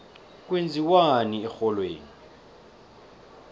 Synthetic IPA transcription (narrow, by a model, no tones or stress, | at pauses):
k̬ʼwend͡zʱiwaniɛxɔlweːni